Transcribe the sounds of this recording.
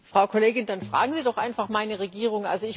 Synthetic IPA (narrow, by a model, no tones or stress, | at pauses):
fʁ̥aʊkʰoleːɡɪndanfʁ̥a̰ːɡŋ̩ziːdɔχʔa̰ɪnfaχmaɪnəʁeɡiːʁ̞ʊŋʔa̰lzoɪç